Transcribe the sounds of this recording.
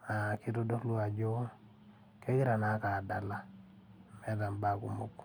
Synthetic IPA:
a˨ki˦to˦dɔ˦klo˦a˨d͡ʒo˦ | ke˦ɡɪ˦ɾa˨na˨˦ka˨da˨la˦ | mɛ˦da˨mba˦kṵ˨mu˦k

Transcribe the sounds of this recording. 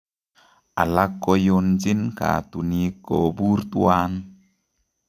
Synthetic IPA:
ʔa˨la˦kːɔ˧jo˧nd͡ʒi˦nka̰˨tu˨ni˦kːo˨bu˦ɾtu˦a˦n

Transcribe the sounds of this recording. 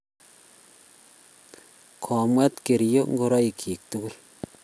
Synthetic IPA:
kʰɔ˨mwɛ˦t̪ke˨ɾjo˦ŋɡo˦ɾɔ˦i˨kʰi˨k̚tu˦ku˦l

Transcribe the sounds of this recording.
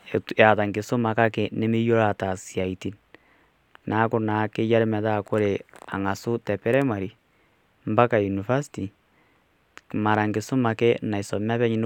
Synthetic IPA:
e˨ta˨ða˨ŋɡe˨so˦ma˨ka˦ke˨ne˦me˦jo˦ɾa˨ta˨sia˨i˨ti˦n | na˨˦ko˦na˨ke˦ja˦ɾe˦mɛ˨ða˦ko˦ɾe˨a˨ŋa˨so˦tɛ˨pe˦ɾe˦ma˨ɾi˨ | mba˦ka˨ju˨ni˨fa˦si̥ti | ma˨ɾa˨ŋɡe˨so˦ma˨ke˦na˨i˨so˨ma˦βɛ˦ɲi˦n˦

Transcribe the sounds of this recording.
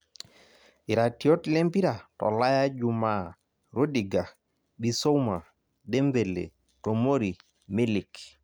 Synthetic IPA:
i˨ɾa˨tio˦tle˦mpi˦ɾa˨tɔ̰˨la˦ja˦d͡ʒu˨ma˦ | ɾo˦di˨ɡa˨ | bi˨so˦uma˨ | de˦mbe˨lḛ˨ | to˨mo˦ɾi˨ | mi˦li˨k

